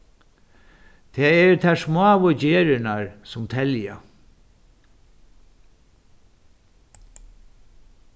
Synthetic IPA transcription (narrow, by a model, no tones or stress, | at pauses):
t̪ʰɛːɛɹt̪ʰɛʂmaːʋʊd͡ʑeːɾɪnaɹsʊmt̪ʰɛlja̰